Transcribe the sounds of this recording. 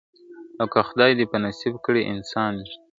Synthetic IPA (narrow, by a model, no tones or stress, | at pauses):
awkaxʊd̪ɑjd̪epənasibkəɽeʔɪnsɑn